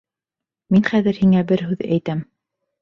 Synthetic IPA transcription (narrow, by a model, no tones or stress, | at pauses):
minχæðɘ̆ɾhiŋæbɘɾɦʉðæ̰jt̪æm